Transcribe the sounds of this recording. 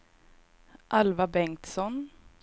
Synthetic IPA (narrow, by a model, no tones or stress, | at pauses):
ʔalvabɛŋt̪sɔn